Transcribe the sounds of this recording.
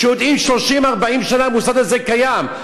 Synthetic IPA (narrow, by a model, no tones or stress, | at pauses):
ʃejod̪imʃlo̞ʃimaʁbaimʃanalmusad̪azekajam